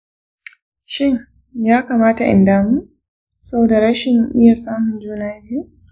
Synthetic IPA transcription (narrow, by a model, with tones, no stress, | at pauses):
ʃɪ˦ŋ | jaː˦kaː˨maː˦ta˨ʔɪ̰˨ndaː˦mu˦˨ | sɐ˦boː˨da˨ɾa˦ʃɪ˨nmɪ˦ja˨saː˦mʊ˨nd͡ʒuː˦naː˦biː˦